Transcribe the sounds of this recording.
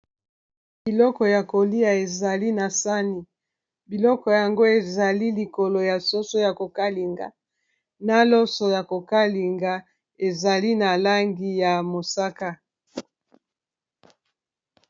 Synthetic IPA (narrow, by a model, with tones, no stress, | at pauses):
b̥i˨lɔ˦kɔ˨ja˨ko˨li˦a˨e˨za˨li˦na˨sa˦ni˨ | bi˨lɔ˦kɔ˨ja˨ŋɡo˦e˨za˨li˦li˨ko˨lo˨ja˨so˦so˦ja˨ko˨ka˦li˨ŋɡa̰˨ | na˦lɔ˦sɔ˨ja˨ko˨ka˦li˨ŋɡa˨ | e˨za˨li˦na˨la˦ŋɡi˦ja˨mo˨sa˦ka˦